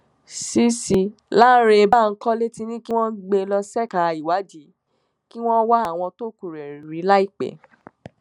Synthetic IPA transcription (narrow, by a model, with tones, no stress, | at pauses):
si˦si˨la˦ɾe˧ba˦˨ŋ̩˦kɔ˦le˦ti˧nĩ˦ki˦w̃ɔ̃˦ɡ͡be˧lɔ˧sɛ˦ka˧i˨wa˨˦d͡ʒi˨˦ | ki˦w̃ɔ̃˦wa˦a˦˨w̃ɔ̃˧to˦ku˨ɾe˨ɾi˨ɾi˨˦la˦i˦˨k͡pɛ̰˨˦